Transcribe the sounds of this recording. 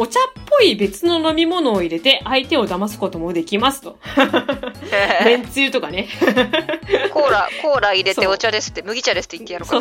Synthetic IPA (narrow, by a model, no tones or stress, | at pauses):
ot͡ɕapːo̞ibe̞t͡sɨno̞no̞mʲimo̞no̞ːiɾe̞t̪e̞ʔait̪e̞o̞d̪amasɨ̥ko̞t̪o̞mo̞d̪e̞kʲimasɨ̥t̪o̞ | mẽ̞nt͡sɨɯt̪o̞kane̞ | koɾakoːɾaiɾe̞eot͡ɕad̪e̞sɨ̥t̪ːemɯ̟ɡʲit͡ɕad̪esɨ̥t̪ːeit̪ːejanosko